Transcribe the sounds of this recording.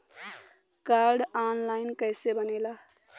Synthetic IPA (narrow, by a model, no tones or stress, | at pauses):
kaɾɖaːnlaɪnkəjsebənela